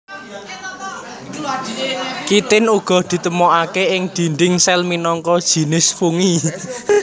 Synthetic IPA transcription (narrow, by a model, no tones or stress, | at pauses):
kit̪ɪnuɡ̥ɔ̤d̪̥i̤t̪əmɔʔakeɪŋd̪̥i̤ɳɖ̪ɪŋsɛlminɔŋkɔd̥ʒ̥i̤nɪsfuŋi